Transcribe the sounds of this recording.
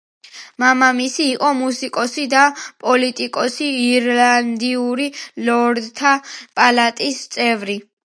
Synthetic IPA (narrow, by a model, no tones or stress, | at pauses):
mamamisiːqʼɔmusikʼɔsid̪apʼɔlit̪ʼikʼɔsiːɾland̪iuɾilɔɾd̪t̪ʰapʼalat̪ʼist̪sʼɛvɾi